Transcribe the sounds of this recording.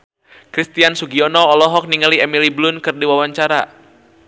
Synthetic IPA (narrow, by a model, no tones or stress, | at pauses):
kɾist̪iansuɡiɔnɔːlɔɦɔk̚niŋaliɛmiliblunkɨrdiwawaɲt͡ʃaɾa